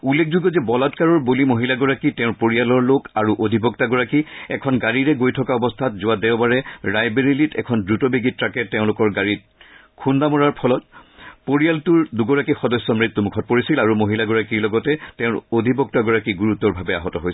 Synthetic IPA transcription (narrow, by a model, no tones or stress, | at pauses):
ulːek̚ʰzuɡɔzɛbɔlatkaɹɔɹbolimoɦilaɡɔɹakitɛʊ̃ɹpoɹijalɔɹlokaɹuʔodʱibɔk̚taɡɔɹakiɛ̰kʰɔnɡaɹiɹɛɡojtʰɔkaɔbɔstʰatzʊadɛʊbaɹɛɹajbeɹilitʰɛ̰kʰɔndɹutɔbiɡitɹakɛtɛʊ̃lʊkɔɹɡaɹit̚ | kʰundamɔɹaɹpʰɔlɔt̚poɹijaltuɹduɡɔɹakixɔdɔsːɔmɹit̪ːumukʰɔt̚poɹisilaɹumoɦilaɡɔɹakiɹlɔɡɔtɛtɛ̃ʊ̃ɹodʱibɔk̚taɡɔɹakiɡuɹut̪ːɔɹbʱabɛa̰ɦɔtɔɦojs